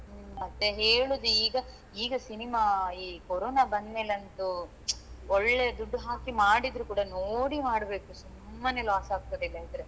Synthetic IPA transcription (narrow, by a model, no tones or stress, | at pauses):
mɐt̪ːeɦeːɭoːd̪uiːɡɐ | iːɡɐsinimaiːkoɾoːnaːbɐnd̪me̞ːleɐnːɐd̪u | ɔɭːed̪uɖːɦaːkimaːɽid̪ɾukuːɽɐnoːɽimaːɽbe̞ːkusumːɐnelaːsaːɡ̚t̪ɐd̪ilːɐid̪ɾe